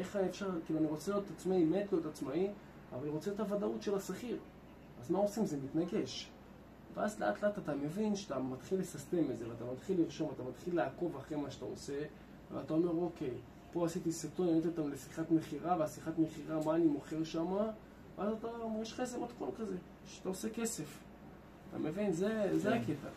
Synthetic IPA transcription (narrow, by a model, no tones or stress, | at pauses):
ʔeχefʃaʁkiluaniʁo̞t͡seliot̪tat͡smaimetlijotat͡smai | avaliʁot͡seetavadautʃelasaχiʁ | azmaosimzemit̪naɡe̞ʃ | veazleʔatleatat̪ame̞vinʃeat̪amat̪χilːesaste̞mezeveatamat̪χilːiʁʃo̞mvat̪amat̪χilːeako̞vaχʁemaʃta̰o̰se̞ | vḛatao̞me̞ʁo̞ke̞j | po̞asitiseto̞nolet̪ot̪amlesiχatme̞χiʁaveasiχatme̞χiʁamaːnimo̞χe̞ʁʃama | veazataomeʁeʃχaezemat̪kolkaze̞ | ʃeat̪aose̞ke̞se̞f | at̪a̰me̞vinzezeake̞ta̰